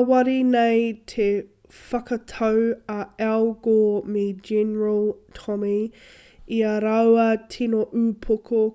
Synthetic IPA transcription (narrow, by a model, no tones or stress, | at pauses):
wɐɾinejt̪ʰe | fɐkɐtʰɐwɐɛlɡomed͡ʒɛnəɹəlˠtʰɔmi | iɐɾɐwɐtʰinoʔʉpʰokʰo